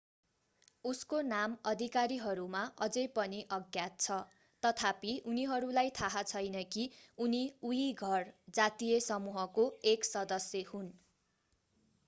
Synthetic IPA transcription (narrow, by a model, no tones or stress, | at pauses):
uskonamʌd̪ʱikaɾiɦʌɾumaʔʌd͡zʌjpʌniʔʌɡjat̪̚t͡sʰʌ | t̪ʌt̪ʰapiʔuniɦʌɾulajt̪ʰaɦat͡sʰʌjnʌkiuniujiɡʱʌrd͡zat̪ijʌsʌmuɦʌkoeksʌd̪ʌsjʌhun